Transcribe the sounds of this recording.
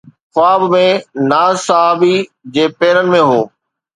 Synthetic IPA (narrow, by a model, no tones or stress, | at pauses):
xʊaːbmẽnaːzsɐɦaːbid͡ʑeːpeːɾənɪ̆mẽɦoː